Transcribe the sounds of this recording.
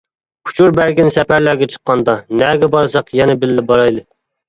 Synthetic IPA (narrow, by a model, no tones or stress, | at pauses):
kʰu̥t͡ʃʰuɾbæɾɡʲɪnsɛpʰæɾlæɾɡʲɛt͡ʃʰə̥qːɑnd̪ɑnɛɡʲɛbɑɾsɑqjɛnɛbɪlːɪbɑɾɑjlˠɨ